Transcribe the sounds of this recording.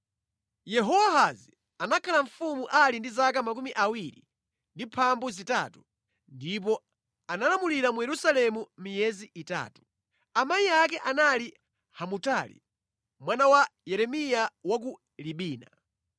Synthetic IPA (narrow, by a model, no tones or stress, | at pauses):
jɛɦɔwaɦazi | anakʰalaɱfumuʔalindizak̬amak̬umiʔawiɾi | ndipʰambuzita̰tu̥ | ndipɔ | analamuliɾamujɛɾusalɛmumijɛziʔita̰ːtu̥ | amaiak̬ɛʔanali | hamutaːlḭ | mwanawajɛɾɛmijawak̬u | liɓiːna̰